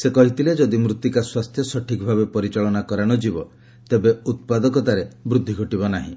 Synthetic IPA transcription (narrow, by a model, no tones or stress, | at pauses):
sekɔɦit̪iled͡ʒɔd̪imɾut̪ːikaswast̪ʰjɔsɔʈʰikɔbʱabepɔɾit͡ʃaɭɔnakɔɾaɽ̃ɔd͡ʒibɔ | t̪ebeut̪̚pad̪ɔkɔt̪aɾebɾud̪ʱːiɡʱɔʈibɔnaɦḭ̃